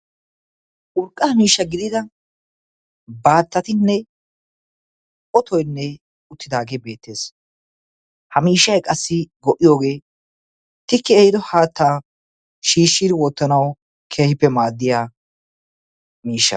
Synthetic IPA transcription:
ʔʊɾkʼːɐmiːʃːɐɡɪd̪ɪd̪ɐ | baːt̪ːɐt̪ɪnːɛ | ʔɔt̪ɔjnːɛ | ʊt̪ːɪd̪aːɡeːbe̞ːt̪ːe̞ːs | hɐmiːʃːɐjkʼɐsːɪɡɔʔːɪjo̞ːɡe̞ː | t̪ɪkːɪɛjɪd̪ɔhaːt̪ːaː | ʃiːʃːid̪ɪwɔt̪ːɐnɐw | kʰeːhɪpːɛmaːd̪ːɪjaː | miːʃːɐ̰

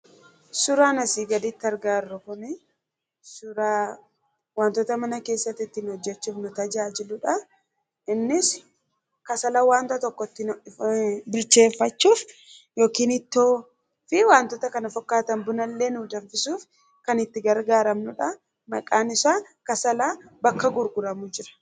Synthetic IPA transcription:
sʊɾaːnɐsiːɡɐd̪it̪ːɐɾɡaːɾːʊkʊnɪ | sʊɾaː | waːnt̪ɔt̪ɐmɐnɐke̞ːsːɐt̪ːɪt̪ːɪnhɔd͡ʒːɛt͡ʃːuːfnʊt̪ɐd͡ʒaːd͡ʒɪlʊᶑɐ | ʔɪnːɪs | kɐsɐlɐwaːnt̪ɐt̪ɔkːɔt̪ːɪ | bɪlt͡ʃe̞ːfːɐt͡ʃːuːf | jo̞ːkiːnɪt̪ːoː | fɪwaːnt̪ɔt̪ɐkɐnɐfɔkːaːt̪ɐnbʊnɐlːeːnʊd̪ɐnfɪsuːf | kɐnɪt̪ːɪɡɐɾɡaːɾɐmnʊᶑɐ | mɐkʼaːnɪsaː | kɐsɐlaːbɐkːɐɡʊɾɡʊɾɐmʊd͡ʒɪɾɐ̥

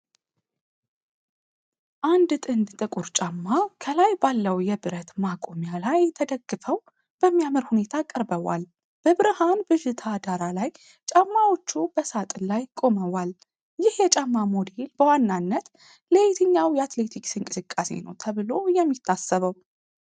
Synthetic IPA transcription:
ʔand̪t̪ʼɨnd̪t̪ʼɨkʼuɾt͡ʃʼamːakʰəlajbalːəwjɛbɨɾət̪makʼomjalajt̪ʰəd̪əɡːɨfəw | b̥əmːijaməɾhune̞t̪ʰakʼːəɾbəwa̰l | b̥əbɨɾɨhanbɨʃɪt̪ʰad̪aɾalaj | t͡ʃʼamːawo̞t͡ʃːub̥əsat̪ʼɨnlajkʼo̞məwal | jɪhjɛt͡ʃʼamːamod̪elbəwanːanːət̪ | let̪ʰɨɲːawjɛat̪le̞t̪ʰiksɨnkʼɨ̥sɨkʼːase̞̰nə̰wt̪ʰəβɨlo̞jɛmːit̪ʰːasːəβəw

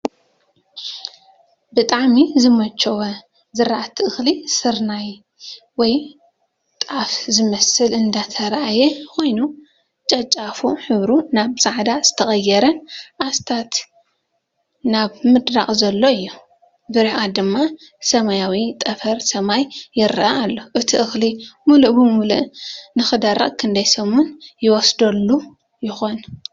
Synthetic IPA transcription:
bɨt̪ʼaʕmizɨmɐt͡ʃːɐwɐ | zɨɾaʔat̪ʰɨɨxlisɨɾnaj | wɔj | t̪ʼafzɨmɐsɨlʔɨnd̪at̪ʰɐɾaʔajɛkʰo̞jnu | t͡ʃʼɐt͡ʃʼafuħɨβɾunaβz̥aʕd̪az̥ɨt̪ʰɐxʼɐjːɛɾɐnʔast̪ʰat̪ | naβmɨd̪ɾaχʼzɐlːoɨjːu | bɨɾiʔad̪ɨmːa | sɐmajawit̪ʼɐfɐɾsɐmajːɪɾɨʔaːlːo̞ʔɨt̪ʰiʔɨxlimuluʔbɨmuluʔnɨxɨd̪aɾa̰ʔkʰɨnd̪ɐjsɐmunjɪwɔsd̪ɐlːu | jɪxon

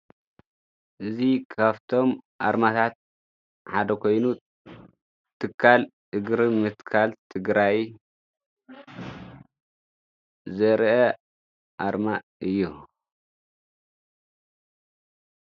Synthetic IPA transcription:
ʔɨzikʰaβt̪ʰo̞mʔaɾmat̪ʰat̪̚ | ħad̪ɐkʰo̞jnu | t̪ʰɨkʰːalʔɨɡɾimɨt̪kʰalt̪ʰɨɡɾaj | zɐɾʔɐ | ʔaɾma | ɨjːu

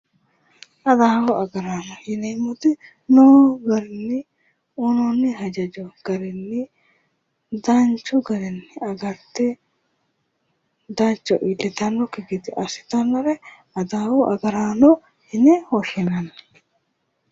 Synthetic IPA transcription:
ʔɐd̪aːwʊʔɐɡɐɾaːnɔhɪnɛjmʊt̪ɪ | noːɡɐɾɪnːɪ | ʊnɔnːɪɦɐd͡ʒɐd͡ʒɔɡ̥ɐɾɛnːɪ | d̪ɐnt͡ʃːɔɡɐɾɛnːɪɐɡɐɾt̪ːɛ | d̪ɐt͡ʃːɔʔɪlːɛt̪ɐnːɔkɪɡɪd̪ɪʔɐsɪ̥t̪ɐnːɔɾɛ | ɐd̪aːwʊʔɐ̰ɡɐɾaːnɔ | hɪnɛhɔʃɪnɐnɐ

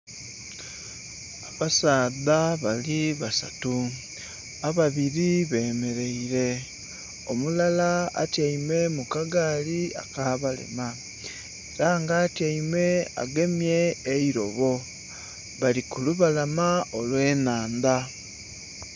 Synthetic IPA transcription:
aβasaːðaβaliβasa̰tu | aβaβiɾiβe̞ːme̞ɾe̞iɾe̞ | omulala̰ːtjaime̞mukaɡalia̰kaːβalḛma | eɾaŋɡaːtjaimwe̞a̰ɡe̞mje̞ːiɾo̞̰βo̞ | βalikuluβalamaolwe̞ːnaːnda

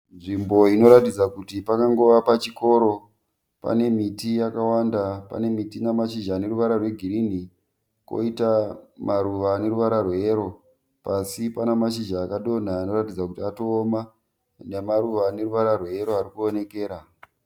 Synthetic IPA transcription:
nʐimbo̞ino̞ɾatid͡zakutipakaŋɡo̞ʋapat͡ʃiko̞ɾo̞ | pa̰ne̞mitijakawandapa̰ne̞mitinamaʃiʒane̞ɾuʋaɾarwe̞ɡʱirini | ko̰itamaɾuʋane̞ɾuʋaɾarweeɾo̞ | pasipanamaʃ̬iʒaːkaɗo̞n̤aːno̞ratid͡zakutiato̞ːma | nemaɾuʋane̞ɾuʋaɾarweeɾoaɾikuone̞ke̞ːɾa

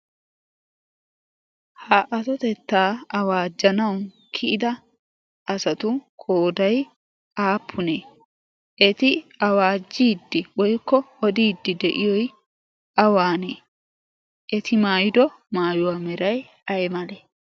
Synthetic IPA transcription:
hɐʔɐsɔt̪ɛt̪ːaːɐwaːd͡ʒːɐnɐwn | kʰɪʔɪd̪ɐ | ʔɐsɐt̪ʊkʰoːd̪ɐj | aːpʰːʊneː | ʔɛt̪ɪɐwaːd͡ʒːiːd̪ːɪwɔjkːɔɔd̪iːd̪ːɪd̪ɛʔɪjɔj | ɐwaːneː | ʔɛt̪ɪmaːjɪd̪ɔ | maːjʊwaːmɛɾɐj | ɐjmɐleː

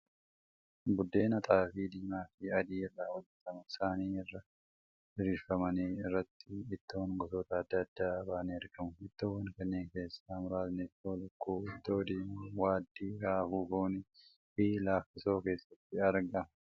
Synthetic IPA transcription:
bʊd̪ːe̞ːnɐt̪ʼaːfiːd̪iːmaːfɪɐd̪iːɪrːaːwɔd͡ʒːɛt̪ɐmɐɪsaːniːɪrːɐ | ɪɾiːɾfɐmɐniːɪrːɐt̪ːɪɪt̪ːoːnɡɔt̪oːt̪ɐːd̪ːɐːd̪ːaːɐbaːneɐɾɡɐmʊɪt̪ːoːwɐŋkɐnːeːŋke̞ːsːaːmʊɾaːt̪nɪfoːlʊkːuːɪt̪ːo̞ːd̪iːmuwaːd̪ːiːɾaːfuːfuːnɪ | hiːlaːfɪso̞ːke̞ːsːɐt̪ːɪɐɾɡɐ

